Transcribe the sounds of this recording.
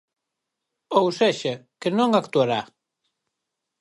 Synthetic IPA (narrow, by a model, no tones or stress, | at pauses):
owseʃakenõŋakt̪uaɾa